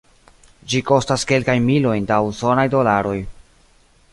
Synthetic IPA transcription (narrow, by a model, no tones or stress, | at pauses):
d͡ʒiko̞staske̞lkajnmilo̞jndauso̞najdo̞laɾo̞j